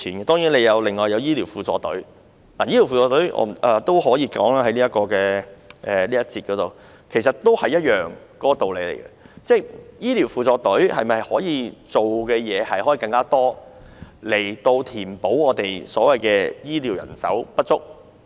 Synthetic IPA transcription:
iː˨˩nɛ˧t̪ɔː˥ŋjiː˨˥nle˨˧jɐ˨˧wlɪ˨ŋːɔː˨˩jɐ˨˧wjiː˥liː˨˩wfuː˨˩t͡sɔː˧t̪ɵ̰˨˥ɥ | naː˨˩jiː˥li˨˩wfuː˨t͡sɔː˧t̪ɔ˨˥ɥʔɔ̰ː˧˨ʔɐː˨t̪o˥whɔː˨˥jiː˨˧kɔː˨˥ŋlaː˥hɐ˨˥jniː˥ɐ˥t̚kɔː˧kɛː˧ʔɛː˨˩liː˥jɐ˥t̚t͡siː˧t̚kɔː˨˥t̪o˨w | kʰe˨˩sɐ˨t̚t̪o˥whɐ˨jɐ˥t̚jœː˨ŋkɔː˥ɔ˨˧t̪o˨wle˨˥jlḛ˨˩jkɐ̰˧t͡sɛː˥˩jiː˥li˨˩wfuː˨˧t͡sɔː˧t̪ɵ˨˥ɥhɐ̰˨jmɐ˨˩jhɔː˨˥jiː˨˧t͡so˨wkɛː˧jɛː˨˧hɐ˨jhɔː˨˥iː˨˧kɐ˧ŋkaː˥t̪ɔː˥ | le˨˩jt̪o˧wt̪ʰiː˨˩npo˨˥wɔː˨˧t̪e˨jsɔː˨˥wɐ˨jkɛː˧jiː˥liː˨˩wjɐ̰˨˩nsɐ̰˨˥wpɐ˥t̚t͡sʊ˥k̚

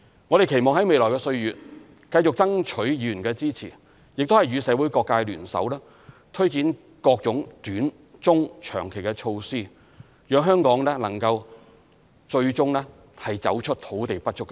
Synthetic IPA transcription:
ŋɔ˨˧e˨jkʰe˨˩jmɔː˨˩ŋɦɐ˨˥jme˨jlɔː˨˩jkɛ˧sɵ˧ɥjyː˨˥t̚ | kɐ˧jt͡sʊ˨k̚t͡sɐ˥ŋt͡ʃʰɵ˨˥ɥjyː˨˩nkɛː˧t͡siː˥t͡sʰḭː˨˩ | jɪ˨k̚t̪o˥whjɥyː˨˧sɛː˨˥wu˨˥jkɔː˧kːaː˧jlyː˨˩nsɐ̰˨˥wlɛː˥ | t̪ʰɵ˥ɥt͡siː˨˥n | kɔː˧k̚t͡sʊ˨˥ŋt̪yː˨˥n | t͡sʊ˥ŋt͡ʃʰœ̰ː˨˩ŋkʰe˨˩jkɛ˧t͡ʃʰo˧wsiː˥ | jœː˨˧˥ŋɦœː˥ŋkɔː˨˥ŋlɛː˥lɐ̰˨˩ŋkɐ˧w | t͡ʃɵ˧ɥt͡sʊ˥ŋlɛː˥ | hɐ˨jt͡sɐ̰˨˥wt͡ʃʰɵ˥t̚t̪ʰo˨˥wt̪e˨jpɐ˥t̚t͡ʃʰʊ˥kː

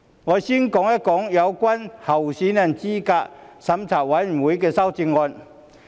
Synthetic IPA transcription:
ŋɔː˨˧si˥nkɔː˨˥ŋjɐ˥kɔː˨˥ŋjɐ˨˧wkʷa˥nhɐ˨˩wsiː˨˥na˨˩nt͡siː˥kaː˧ksɐ˨˥mt͡sʰa˨˩wɐ˨˦˥jwu˨˥jkɛː˧sɐ˥wt͡si˧ŋŋɔː˧n

